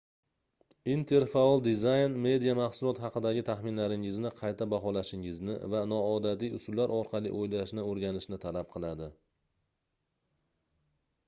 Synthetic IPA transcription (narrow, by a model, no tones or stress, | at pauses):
int̪ʰe̞ɾfaɒlˠd̪ɪzajnme̞d̪ijamɑχsʊlˠɒt̪hɑqɨd̪aɡʲɪt̪ʰaχmɪnlaɾɪŋɪznɪqʰɑjt̪ʰabaɦɒlaʃɪŋɪznɪ̰vanɒɒd̪at̪ijʊsʊlːaɾɒɾqʰɑlˠḭʔojlaʃnɪoɾɡʲanɪʃnɪt̪ʰalap̚qʰɨlˠad̪ɪ